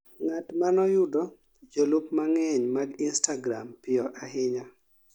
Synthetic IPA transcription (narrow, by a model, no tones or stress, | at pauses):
ŋatmanɔjʊdɔ | d͡ʒolukmaŋɛɲmaɡɪnstaɡɾa̰mpɪɔʔaɦɪɲa